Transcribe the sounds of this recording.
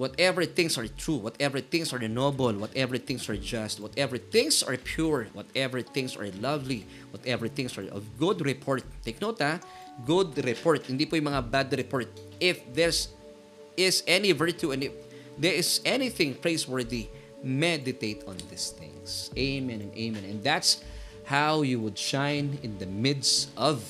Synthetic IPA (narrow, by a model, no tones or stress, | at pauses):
wɔt̪ɛvɛɹθɪ̃ŋsɐɹt̪ɹuwɐt̪ɛvɛɹθɪ̃ŋsaɹnobɛlwɐt̪ʔɛvɛɹθɪ̃ŋsaɹd͡ʒast̪̚wɔt̪ɛvɛɹθɪ̃ŋsa̰ɹpʰjuɹwɔ̰t̪ɛvɛɹθɪ̃ŋsa̰ɹlɐvli | wɔt̪ɛvɛɹθɪ̃ŋsa̰ɹɐ̰ɡʊd̪ɹɪpʰɔɹt̪̚ːeɪjk̚nowt̪a | ɡʊd̪ɾɪpɔɹt̪̚hɪnd̪ipujʊ̃mɐŋabad̪ɾɪpɔɹt̪̚ʔɪfðɛɹs | ɪsɛnivɛɹt̪uɛ̃nɪf | ðɛɹɪsɛnɪθɪ̃ŋpɹeɪswɛɹd̪i | mɛd̪ɪt̪eɪt̪ɔ̃nðɪsθɪ̰̃ŋsʔeɪmɛ̃nɛ̃nʔḛɪmɛ̃nɛ̰̃nðæt̪s | hawjuwʊd̪ʃãjnɪ̃nd̪ɐmɪd̪sʔɔv